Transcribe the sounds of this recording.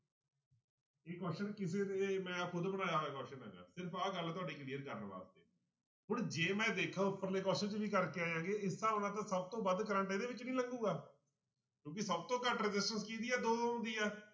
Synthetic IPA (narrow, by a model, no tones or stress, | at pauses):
eːkɛːsʃənkɪseːd̪eːmɛ̃ːkʰʊd̪bənaːjaːʋɛːkɔːsʃənɦə̰ːɡa̰ːsɪɾpʰaːɡəlːt̪ʊaːɖeːkliːəɾkəɾnba̰ːst̪eː | ɦʊɳd͡ʒeːmɛ̃ːd̪eːkʰãːʊpːəɾleːkɔːsʃənt͡ʃʋiːkəɾkeːaːjãːɡeːɪsːãːʊnãːt̪̬ãːsəb̚t̪õːbəd̪kəɾə̃ɳʈaːd̪eːʋɪt͡ʃnĩːləŋɡuːɡaː | kjõːk̬ɪsəb̚t̪õːkəʈɾəd͡ʒɪsʈənskiːd̪iːɛːd̪oːõːnd̪iːɛː